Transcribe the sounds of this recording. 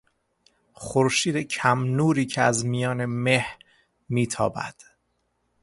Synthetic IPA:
χoɾʃiːd̪ecʰæmnuːɾiːcʰeæzmijɒːne̞mehɾ | miːt̪ʰɒ̰ːbæ̰d̪̥

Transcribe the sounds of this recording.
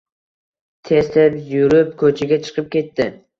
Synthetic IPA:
t̪ʰeslɪpjʊɾɪp̚kʰɵt͡ʃʰɪɡʲat͡ʃʰɨ̥qʰɨp̚kʲe̞t̪ːɪ

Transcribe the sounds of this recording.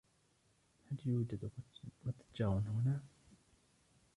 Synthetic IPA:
haljuːd͡ʒad̪mat̪ḁt̪d͡ʒaːwanhʊna

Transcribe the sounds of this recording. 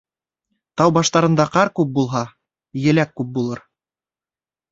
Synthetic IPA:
t̪ɑwbɑʃt̪ɑɾɤ̆nd̪ɑqɑɾkʉp̚bulˠɦɑ | jɘ̆lækːʉp̚bulˠɤɾ

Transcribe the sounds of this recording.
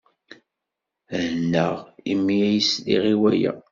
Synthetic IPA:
nːəʁimːijæjəslḭʁiwæjæ̰

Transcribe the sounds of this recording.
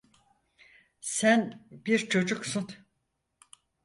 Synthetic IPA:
sænbiɾt͡ʃʰo̞d͡ʒuksun

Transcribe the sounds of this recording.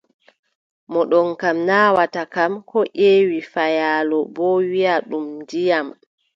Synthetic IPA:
mɔɗɔnkamnaːwatakamkɔʔeːwifajaːlɔbɔwiaɗumdijam

